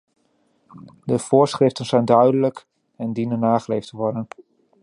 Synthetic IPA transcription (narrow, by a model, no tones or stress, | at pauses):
dəv̥ʊːɹsχrɪftənz̥ɛjndœɥdələk | ɛndinənːaːχəlejftəʋɔɹdən